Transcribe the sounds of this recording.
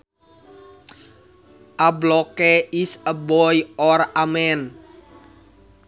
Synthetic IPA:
ʔablɔkeisəbɔjɔramɛn

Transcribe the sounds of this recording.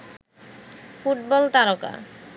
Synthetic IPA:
fuʈ̚bɔlt̪aɾoka̰

